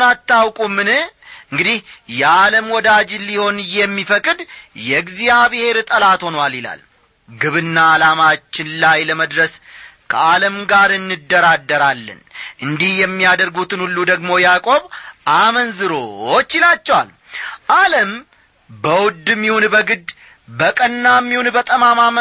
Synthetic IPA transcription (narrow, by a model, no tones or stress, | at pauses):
nat̪ːawkʼumːɨnɨhɨŋɡɨd̪ihjɛaləmwɔd̪ad͡ʒliho̞njɛmːifəkʼɨd̪jɛɡzijaβɨhe̞ɾt̪ʼəlat̪ho̞nwalila̰l | ɡɨβɨnːaːlamat͡ʃːɪnlajləməd̪ɾəskʰəʔaləmɡaɾɨnːɨd̪ːəɾad̪ːəɾalːɨ̰nʔɨnd̪ihjɛmːijad̪əɾɡut̪ɨnhulːud̪əɡmo̞jakʼo̞βʔamənzɨɾo̞ot͡ʃːɪlat͡ʃːɛwa̰l | ʔaləm | bəwʊd̪ːɨmːihunbəɡɨd̪ | bəkʼənːamːihunbət̪ʼəmamam